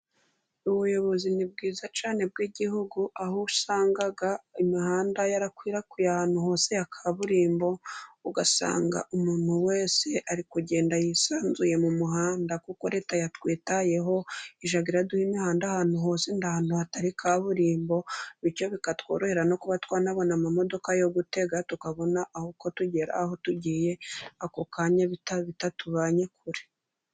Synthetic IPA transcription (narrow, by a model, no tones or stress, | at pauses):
uβujo̞βo̞zinib̚ɡiːzat͡ʃaːne̞b̚ɡiːɟihuɡuahusaːŋɡaɡaimihaːndajaɾakwiːɾakujahaːn̥huho̞ːse̞jakʰaβuɾiːmbo̞uɡasa̰ːŋɡa̰ʔumuːn̥huwe̞ːse̞ʔaɾikuɟe̞ːndajisaːnzuje̞mumuɦaːndakuko̞ɾe̞ːtajatwiːtaje̞ɦo̞iʒaɡiɾaduhimihaːndahaːn̥uɦo̞ːsindahaːn̥huhataɾikʰaːβuɾiːmbo̞βiɾcjo̞βikatwo̞̰ːɾo̞he̞ɾano̞kuβatwaːnaβo̞namamo̞do̞kajo̞ɡute̞ɡatukaβo̞naʔahuko̞tuɟe̞ɾa̰ho̞tuɟiːje̞akokaːɲaβitaβitatuβaːɲe̞kʰuɾe̥